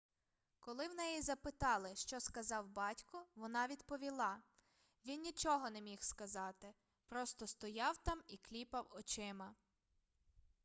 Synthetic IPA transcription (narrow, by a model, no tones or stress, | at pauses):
kɔlˠɪwnɛjizɐpɪt̪ɑlˠɪʃt͡ʃɔskɐzɑwbɑtʲkɔʋɔnɑʋʲid̪pɔʋʲilˠɑ | ʋʲinnʲit͡ʃɔɦɔnemʲixskɐzɑt̪ɪ | pɾɔst̪ɔst̪ɔjɑwt̪ɑmiklʲipɐwɔt͡ʃɪmɐ